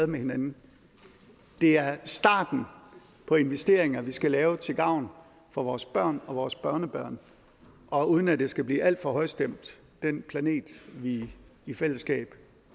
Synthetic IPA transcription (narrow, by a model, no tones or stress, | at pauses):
ðˠmehe̝nænn̩ | d̥e̝æɐsd̥ɑ̰̈ːd̥n̩ | pʰɒ̽e̝nʋesd̥e̝ɐeŋɐʋisɡ̥ælɛːʊt͡sʰe̝ɡ̥ɑ̈ʊ̰n | fɒ̽ʋɒːsb̥ɶɐ̰nɒ̽ʋɒːsb̥ɶɐnəb̥ɶɐ̰n | ʔɒ̽uːðˠn̩æd̥e̝sɡ̥æb̥liːʔæl̰d̥fɒ̽ɦɒ̽ɪ̰sd̥em̰d̥ː | en̰pʰlæne̝̰ːd̥ʋiifel̰əsɡ̥ɛ̰ːb̥